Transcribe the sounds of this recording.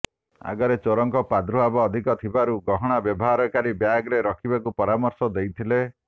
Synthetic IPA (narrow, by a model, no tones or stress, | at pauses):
a̰ɡɔɾet͡ʃoɾɔŋkɔpad̪ɾuɦabɔːd̪ʱikɔt̪ʰibaɾuɡɔɦɔɽ̃abjɔbɔɦaɾɔkaɾibjaɡɾeɾɔkʰibakupɔɾamɔɾsɔd̪ejt̪ʰile